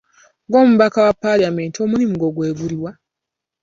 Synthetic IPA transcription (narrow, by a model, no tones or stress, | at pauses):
ŋɡo̞ːmuβakawapːalame̞ntio̞muɾimuɡo̞ɡweːɡuliwa